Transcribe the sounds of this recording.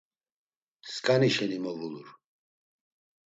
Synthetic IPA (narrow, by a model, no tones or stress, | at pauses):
skʼaniʃɛnimɔvuluɾ